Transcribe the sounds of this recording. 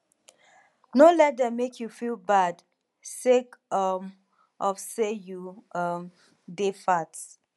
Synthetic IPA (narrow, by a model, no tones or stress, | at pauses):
nolɛdɛ̃mekʰjufilbad | sekʌm | ʔɔfsejuʌm | defats